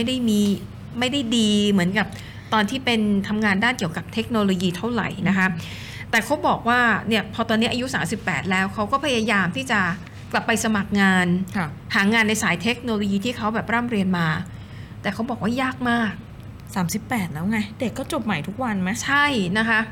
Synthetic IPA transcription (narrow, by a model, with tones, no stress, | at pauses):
a˥˩jda˥˩jmiː˧ | ma˥˩jda˥˩jdiː˧mɯ˩˦ənka˨˩p̚ | t̪ɔː˧nt̪ʰiː˥˩pe˧nt̪ʰa˧mŋaː˧ndaː˥˩nki˨˩əka˨˩p̚t̪ʰe˦˥k̚noː˧loː˧jiː˧t̪ʰa˥˩wɾa̰˨˩jna˦˥kʰa˦˥ | t̪ɛː˨˩kʰa˦˥wbɔː˨˩k̚waː˥˩ni˥˩ɐpʰɔː˧t̪ɔː˧nːi˦˥ʔa˧ju˦˥saː˩˦msi˨˩pːɛː˨˩t̪̚lɛː˦˥wkʰa˦˥wkɔː˥˩pʰa˧jaː˧jaː˧mt̪ʰiː˥˩t͡ɕa˨˩ | kla˨˩pːa˧jsa˧ma˨˩k̚ŋaː˧nʰ˧ | haː˩˦ŋaː˧nːa˧jsaː˩˦jt̪ʰe˦˥k̚noː˧loː˧jiː˧t̪ʰiː˥˩kʰa˦˥wbɛː˨˩p̚ɾaː˥˩mɾi˧ənmaː˧ | t̪ɛː˨˩kʰa˦˥wbɔː˨˩k̚waː˥˩jaː˥˩k̚maː˥˩k̚ | saː˩˦msi˨˩pːɛː˨˩t̪̚lɛː˦˥wŋa˧˥de˨˩kːɔː˥˩t͡ɕo˨˩p̚ma˨˩jt̪ʰu˦˥k̚wa˧nma˦˥t͡ɕʰa˥˩jna˦˥kʰa˦˥ʔ